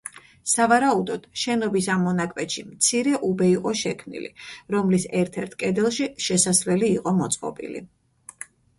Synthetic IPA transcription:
savaɾaud̪ɔd̪̥ʃɛnɔbisamːɔnakʼwɛt̪ʃimt̪sʰiɾɛʔubɛiqʼɔʃɛkʰmnḭlḭɾɔmlisɛɾt̪ʰɛɾt̪ʰkʼɛd̪ɛlˠʃiʃɛsasvlɛliːqʼɔmɔt̪sʼqʼɔ̰pʼḭlḭ

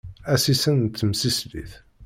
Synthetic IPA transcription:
æsisənt̪ːəmsislḭθ

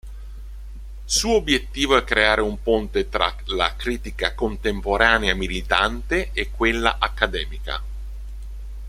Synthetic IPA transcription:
suːoobjet̪ːiːvoɛkːɾeaːɾeumpont̪et̪ɾa̰la̰kɾiːt̪ikakont̪empoɾʔaːneamilit̪ant̪eekːwelːa̰ʔakːad̪ɛːmika̰

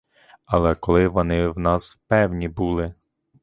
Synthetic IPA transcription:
ɐlˠɛkɔlˠɪʋɔnɪwnɑspɛwnʲibulˠɪ

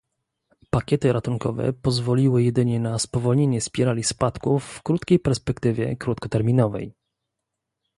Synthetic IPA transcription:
pakʲɛt̪ɘɾat̪uŋkɔ̰vɛ̰pɔzvɔlʲiwɘjɛd̪ɘɲɛnaspɔvɔlɲeɲɛspʲjɛɾalʲispat̪kufːkɾut̪kʲejpɛɾspɛkt̪ɘvʲjɛ̰kɾut̪kɔt̪ɛɾmʲinɔvɛ̰j

